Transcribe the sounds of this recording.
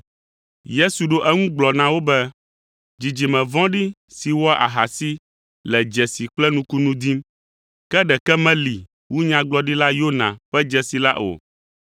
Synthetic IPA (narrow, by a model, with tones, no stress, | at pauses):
je˦su˨ɖo˦ʔɛ˦ŋũ˦ɡ͡blɔ˨nã˨wo˦bɛ˦ | d͡ʑi˨d͡ʒi˨mɛ̃˨vɔ̃˦ɖi˦si˨wɔ˦ʔa̰˨ɦa˨si˦ | lɛ˨d͡ʒɛ˨si˨k͡plɛ˦nũ˦ku˦nũ˦d̪i˦m | kɛ˦ɖɛ˨kɛ˦mɛ̃˦li˨ | wu˦ɲã˦ɡ͡blɔ˦ɖi˦la˦jo˦nã̰˨ɸɛ˦d͡ʒɛ˨si˨la̰˦ʔo̰˨